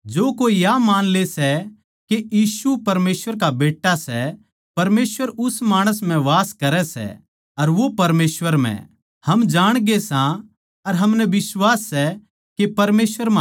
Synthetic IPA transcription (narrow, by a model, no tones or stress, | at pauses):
d͡ʒoːkoːijamaːnlesɛ | kejiːsupɐɾmeːsʋəɾkabeːʈːasɛ | pɐɾmeːsʋəɾʊsmaːɽ̃əs̬m̤ɛ̃ʋaːskɐɾɛsɛ̰ | ɐɾʋopɐɾmeːsʋəɾm̤ɛ̰̃ | hɐmd͡ʒaːɽ̃ɡesã | ɐɾɦɐmnɛʋɪsʋaːsːɛ | kepɐɾmeːsʋəɾma